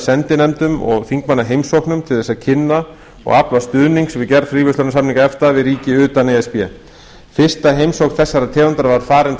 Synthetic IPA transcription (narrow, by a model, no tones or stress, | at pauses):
sɛnt̪ɪnɛmt̪ʏmɔ̰ɣfiŋkmanːaɦejmsowknʏmt̪ʰɪlθɛsaðcʰɪnːa | ɔ̰ɣaplvast̪ʏðniŋksvɪðcɛɾfɾiːvʏslœɾnsamniŋkaɛft̪aðvɪðɾiːcɪʏːt̪anejɛspjɛ | fɪr̥st̪aɦejmsowknθɛsːaɾat̪ʰɛːvant̪aɾavaɾ̥faːɾɪnt̪